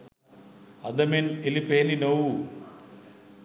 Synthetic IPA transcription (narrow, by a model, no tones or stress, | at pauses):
ɐd̪ɐmenelipelinɐw